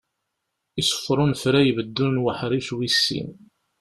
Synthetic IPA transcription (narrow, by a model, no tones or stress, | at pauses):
isə̥fːɾˤʊnfɾæjəvəd̪ːunwəħɾiʃwisːḭn